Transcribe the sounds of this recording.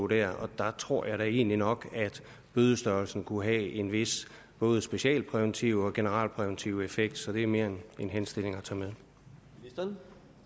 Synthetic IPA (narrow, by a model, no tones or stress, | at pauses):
d̥æɐ̰ɒ̽d̥ɑ̈t͡sʰʁo̝ɐ̰jɑ̈ɪɾæe̝̰ːninɒ̽ɡ̥æd̥ | b̥øð̞ˠəsd̥ɶɐlsn̩kʰuɦæe̝nʋe̝s | b̥ɔ̽ːð̞̩ˠəsb̥e̝ɕiɛ̰ːlpʰʁɛʋent͡sʰiʊɒ̽ɡ̥e̝nəʁɑ̰̈ːlpʰʁɛʋent͡sʰiʊe̝feɡ̥̚d̥sɒ̽d̥e̝æɐme̝ːɐenenɦensd̥e̝l̰e̝ŋɒt͡sʰɑmeðˠ